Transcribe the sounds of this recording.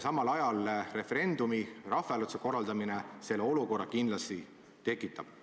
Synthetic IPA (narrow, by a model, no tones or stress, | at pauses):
sɑmɑlɑjɑlre̞feɾe̞nd̪umirɑfeɑlut̪seko̞rːɑld̪ɑminese̞lːeo̞luko̞rːɑkind̪lɑst̪i | t̪e̞kˑːit̪ːˑɑb̥